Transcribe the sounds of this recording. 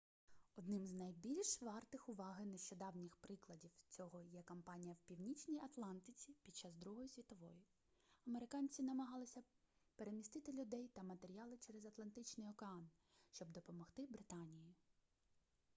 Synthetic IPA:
ɔd̪nɪmznɐjbʲilʲʃʋɑrt̪ɪxʊʋɑɦɪneʃt͡ʃɔd̪ɑwnʲɪxpɾɪklˠɐdʲiwt͡sʲɔɦɔjɛkɔmpɑnʲijɐwpʲiwnʲit͡ʃnʲijɐt̪lˠɑnt̪ɪt͡sʲipʲid̪̚t͡ʃːɑzd̪ɾuɦɔjisʲʋʲit̪ɔʋɔ̰jʊ | ɐmeɾɪkɑnʲt͡sʲinɐmɐɦɑlˠɪsʲɐ | pe̞ɾemʲist̪ɪt̪ɪlʲʊd̪ɛjt̪ɐmɐt̪eɾʲiɑlˠɪt͡ʃɛɾezɐt̪lˠɐnt̪ɪt͡ʃnɪjɔkeɑn | ʃt͡ʃɔbd̪ɔpɔmɔxt̪ɪbɾɪt̪ɑnʲiji

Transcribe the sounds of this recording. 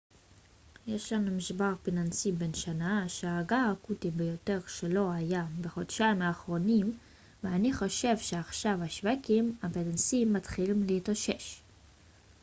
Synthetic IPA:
jeʃlanmiʃbaʁpinansibe̞nʃanaʃeaaɡaːkutibejo̞te̞ʁʃelo̞ajabeχo̞dʃaimaːχʁo̞nim | veaniχo̞ʃe̞vʃe̞aχʃavaʃvakimapinansimːatχilimleitaʃe̞ʃ

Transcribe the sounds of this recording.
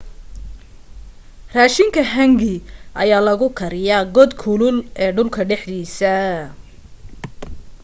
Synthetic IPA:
raːʃɪŋkʰɐɦɐŋɡɪʔɐjaːlɐɣʊkʰɐɾɪjaːɡɔd̪kʰʊlʊlʔɛːɖʊlkʰɐɖɛħd̪iːsɐ

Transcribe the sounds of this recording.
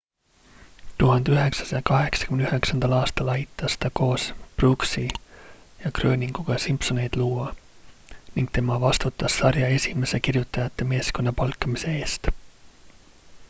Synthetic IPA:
t̪uɦɑnd̪̥yɦe̞ksɑ̥sɑjɑkɑɦe̞ksɑ̥kymnyhe̞ksɑnd̪ɑlɑːst̪ɑlɑjt̪ːˑɑst̪ɑko̞ːspruksi | jɑkrø̞ːnʲiŋɡ̥uɡ̥ɑsimpso̞ne̞jd̪̥luːɑ | niŋɡ̥t̪e̞mɑvɑst̪ut̪ːˑɑsːɑrjɑe̞sʲime̞se̞kirjut̪ːˑɑjɑt̪ːe̞me̞ːsko̞nːɑpɑlkːˑɑmise̞eːst̪

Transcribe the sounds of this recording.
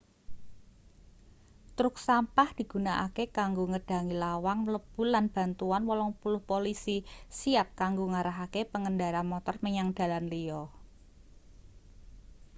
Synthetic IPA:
t̪ɾʊk̚sampahd̪̥i̤ɡ̥ṳnaʔa̰kekaŋɡoŋəɖ̥a̤ŋilawaŋləb̥ṳlanb̥a̤nt̪uanwɔlɔŋpulʊhpolisisiap̚kaŋɡoŋaɾaɦakepəŋəndaɾanmɔt̪ɔrməɲaŋd̥a̤lanliɔ

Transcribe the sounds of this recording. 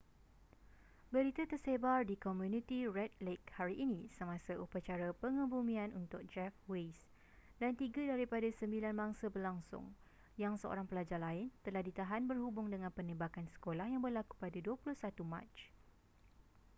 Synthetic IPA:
bəɾit̪at̪ərsebardikɔmjũnĩt̪irɛt̪̚lek̚haɾiʔːnĩsəmãsaʔupat͡ʃaɾapəŋə̃bumĩanunt̪ʊk̚d͡ʒɛfwes | dant̪iɡadaɾipadasəmbilanmaŋsabərlaŋsʊ̰ŋ | jaŋsəo̰ɾaŋpəlad͡ʒarlaɪnt̪əlahdit̪aɦanbərhubʊŋdəŋãnpənə̃bakansə̥kolahjaŋbərlaku̥padaduəpulʊhsat̪umã̰t͡ʃ

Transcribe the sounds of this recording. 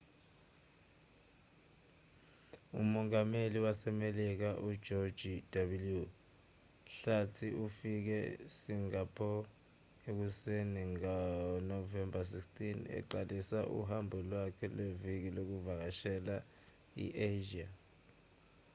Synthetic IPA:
ṵmɔŋameliwasɛmelik̬aʔu̥d͡ʒ̥ʱɔ̥d͡ʒ̥ʱid̥abulju | ɬatʰiufik̬ɛ̰siŋapʰɔ | ek̬useniŋanɔvɛmbas̬ikstʰʼinɛ̰ǃalisaʔṵɦambʱɔlwakʰɛlwevik̬ilok̬uvak̬aʃɛla | ḭʔeʒia

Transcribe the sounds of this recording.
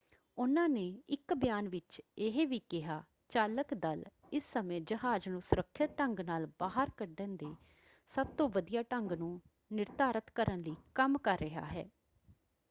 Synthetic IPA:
ʊnãːneːɪkbjaːnʋɪt͡ʃɪɦeːʋiːkɪɦaː | t͡ʃaːləkd̪əl | ɪsːəmẽːd͡ʒəɦaːd͡ʒnũːsʊɾəkʰːɪt̪ʈəŋɡnaːlbaːɦəɾkəɖənd̪eː | səb̚t̪õːʋəd̪ijaːʈəŋɡnũː | nɪɾt̪aːɾət̪kəɾənliːkəmkəɾːɪɦa̰ːɦɛ̰ː

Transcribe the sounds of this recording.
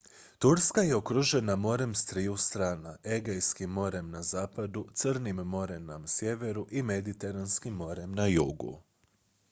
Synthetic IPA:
t̪uɾskaje̞okɾuʒe̞namo̞ɾe̞mst̪ɾiːjust̪ɾaːnaʔe̞ɡejskimːo̞ɾe̞mnazaːpad̪ut̪sɨrnimːo̞ɾe̞namsje̞ʋe̞ɾuʔime̞d̪it̪e̞ɾanskimːo̞ɾe̞mnajṵːɡṵ

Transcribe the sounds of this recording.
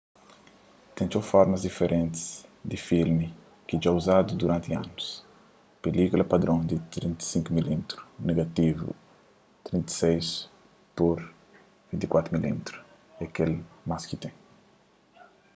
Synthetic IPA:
t̪ẽnt̪ofɔɾmɐzd̪ifeɾʔẽnt̪i̥sd̪ifilmi | kid͡ʒauzad̪ud̪uɾãnt̪iãnus | pelikulɐpad̪ɾõŋd̪it̪ɾĩnt̪ɐ̥sĩŋkumilimit̪ɾu̥neɡat̪ivṵ | t̪ɾĩnt̪i̥sejs | poɾ | vĩnt̪ikwat̪ɾumilḭmt̪ɾu̥ | eakelmaskit̪ẽ

